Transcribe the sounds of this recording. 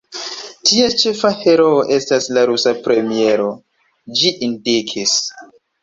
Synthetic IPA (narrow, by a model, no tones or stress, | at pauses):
tʰiat͡ʃe̞fahe̞ɾoʔe̞staslaɾusapɾe̞mie̞ɾo̞ | d͡ʒiʔindikʰis